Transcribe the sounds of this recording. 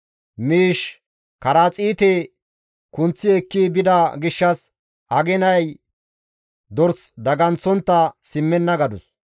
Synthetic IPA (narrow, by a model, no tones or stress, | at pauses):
miːʃ | kɐɾaːt͡sʼiːt̪ɛ | kʊnt͡sːɪɛkːibɪd̪ɐɡɪʃːɐs | ɐɡɛnɐj | d̪ɔɾsd̪ɐɡɐnt͡sːɔnt̪ːɐsɪmːɛnːɐɡɐd̪ʊs